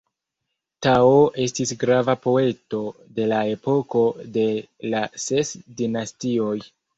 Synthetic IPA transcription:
taoʔe̞stisɡɾavapo̞e̞to̞de̞lae̞po̞ko̞de̞lase̞sdinastio̞j

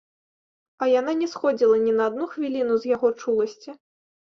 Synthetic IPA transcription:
ɐjan̪anʲɛsxɔd͡zʲilˠɐnʲɛnɐːd̪̚nuxvʲilʲinuzʲjaɣɔt͡ʂulˠɐsʲt͡sʲi

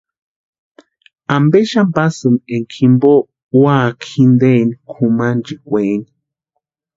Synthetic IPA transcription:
ambeʃambasɨneŋkʰimbo | wakʰind̪enikʰumand͡ʒikʷeni

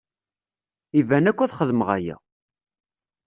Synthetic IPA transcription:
ivænækʷːæθχəðəməʁæ̰jæ̰

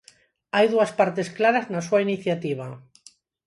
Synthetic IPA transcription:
ajðuaspaɾt̪e̞sklaɾaznasuainiθjat̪iβ̞a

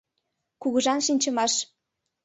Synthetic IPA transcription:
kuɣɤ̆ʒɑnʃinʲt͡ɕə̆mɑʃ

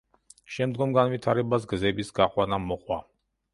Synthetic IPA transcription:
ʃɛmd̪ɡɔmɡanvit̪ʰaɾɛbas̬ɡzɛbisɡaqʼwanamɔqʼwa

